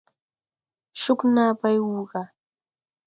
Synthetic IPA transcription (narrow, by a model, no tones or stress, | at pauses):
ʃʊknapajwuɢɑ